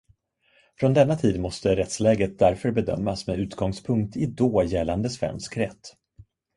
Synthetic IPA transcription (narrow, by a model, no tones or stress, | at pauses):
fɾɔnd̪ɛnːat̪ʰiːd̪mɔst̪əɾɛt̪slɛːɡət̪̚d̪æɾfœɾbɛd̪œ̰mːasmɛʉ̟ːt̪ɡɔŋspʰɵŋk̚t̪ɪd̪oːjɛlːand̪əsvɛ̰nskɾɛt̪ː